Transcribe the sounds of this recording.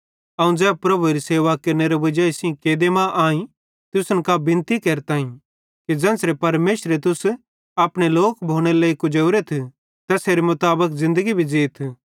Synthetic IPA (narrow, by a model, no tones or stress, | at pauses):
ɐũd͡zɛːb̚pɾɐbʱuɾiseːʋakɐɾneɾeʋɐd͡ʒaːisĩkeːd̪emãʔaːĩ | t̪ʊsənkabɪ̃nt̪ikeːɾt̪aːĩ | kid͡zɛ̃ːnsɾepɐɾmeːʃɾet̪̬ʊs | aːpɽ̃eloːkbʱoːɽ̃eleːikʊd͡ʒɐːɾet̪ʰ | t̪ɐseːɾemʊt̪aːbəkzɪ̃nd̪əɡibʱid͡ʒeːt̪ʰ